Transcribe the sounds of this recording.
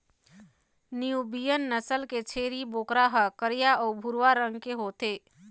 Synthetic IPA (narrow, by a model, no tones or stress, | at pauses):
niubijənːəsəlket͡ʃʰeːɾiboːkɾaɦəkəɾijaɔːbʱʊɾwaɾə̃ŋɡkeɦoːt̪eː